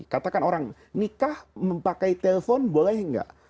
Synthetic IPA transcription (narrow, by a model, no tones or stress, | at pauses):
kat̪akanoɾaŋ | nikahməmpakajt̪elefonbolajɦəŋɡa̰ʔ